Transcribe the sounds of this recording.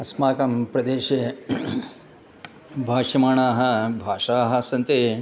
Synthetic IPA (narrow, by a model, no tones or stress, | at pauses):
ɐsmaːkɐmpɾɐd̪eːʃe | bʱaːʂɐmaːɳaːɦɐ̆bʱaːʂaːɦɐ̆sɐnt̪eː